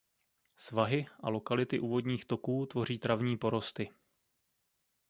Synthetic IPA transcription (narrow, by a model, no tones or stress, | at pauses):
svaɦɪʔalo̞kalɪt̪ɪʔuːvo̞dɲiːxt̪o̞kuːt̪vo̞r̝iːt̪ɾavɲiːpo̞ɾo̞st̪ɪ